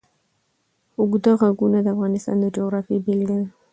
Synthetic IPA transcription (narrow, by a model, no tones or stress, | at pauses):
ʊɡd̪əɣaɡunad̪əafɣɑnɪst̪ɑ̰nd̪əd͡ʒoɣɾɑfibɪld̪a